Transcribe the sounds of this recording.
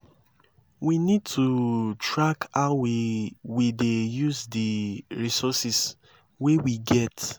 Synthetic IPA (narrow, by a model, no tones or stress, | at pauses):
winid̚tʰutɹakaʊwiwidejuzdiɹisɔsis | wewiɡɛt